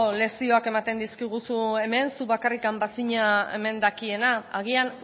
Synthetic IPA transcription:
le̞sio̞ake̞mat̪e̞nd̪iskiɣ̞usue̞me̞nsuβakarikambasiɲae̞̰me̞nd̪akie̞naaɣ̞ian

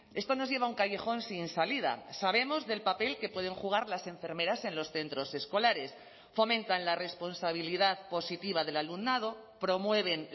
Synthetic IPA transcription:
e̞st̪o̞nozʝe̞β̞auŋkaje̞xo̞nsinsaliða̰saβ̞e̞mo̞zðe̞lpape̞lke̞pwe̞ð̞e̞ŋxuɣ̞aɾlasẽ̞ɱfe̞ɾme̞ɾase̞nlo̞sθe̞nt̪ɾo̞se̞sko̞laɾe̞s | fo̞mẽ̞nt̪anlare̞spo̞nsaβ̞iliðaðpo̞sit̪iβað̞e̞lalumnað̞o̞ | pɾo̞mwe̞β̞e̞n

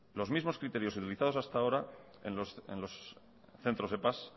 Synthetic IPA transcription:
lo̞zmizmoskɾit̪e̞ɾjo̞sut̪iliθað̞osast̪ao̞ɾaenosḛnlo̞s | θe̞nt̪ɾo̞zepas

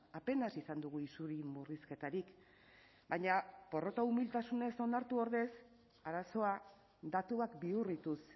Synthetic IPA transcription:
ape̞nasisand̪uɣ̞uisuɾimuriske̞t̪aɾik | bajɲapo̞ro̞kaumilt̪asune̞so̞naɾt̪uo̞ɾðe̞s | aɾaso̞a | d̪at̪uakbiurit̪us

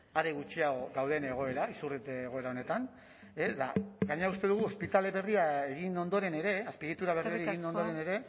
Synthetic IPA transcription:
aɾeɣut͡ʃiaɣoɡawðe̞ne̞ɣ̞o̞e̞ɾaisurit̪eːɣo̞e̞ɾao̞net̪an | esd̪a̰ɡaɲeaust̪e̞ðuɣ̞uo̞spit̪ale̞βe̞riae̞ɣ̞ino̞nd̪o̞ɾe̞ne̞ɾe̞aspiɣit̪uɾaβeriaɾieɣino̞nd̪o̞ɾe̞ne̞ɾe̞

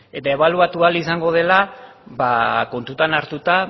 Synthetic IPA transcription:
e̞t̪ae̞β̞aluat̪ualisaŋɡo̞ð̞e̞labako̞nt̪ut̪anaɾt̪ut̪a

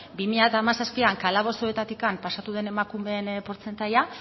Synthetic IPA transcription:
bimiʎat̪aːmasaspiaŋkalaβ̞o̞st̪oet̪at̪ikampasat̪uðe̞ne̞makume̞npo̞ɾt͡se̞nt̪aja

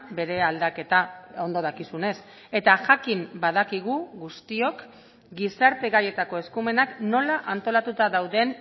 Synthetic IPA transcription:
be̞ɾe̞ald̪ake̞t̪ao̞nd̪o̞ð̞akisune̞s | e̞t̪aʝakimbaðakiɣ̞uɣust̪io̞k | ɡisaɾt̪e̞ɣaje̞t̪ako̞e̞skume̞nakno̞laʔant̪o̞lat̪ut̪aðawðe̞n

